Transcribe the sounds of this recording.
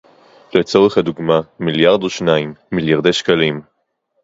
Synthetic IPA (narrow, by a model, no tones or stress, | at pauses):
le̞t͡so̞ʁeχhaduɡmamiljaʁd̪oʃnaimːiljaʁd̪ejʃkalim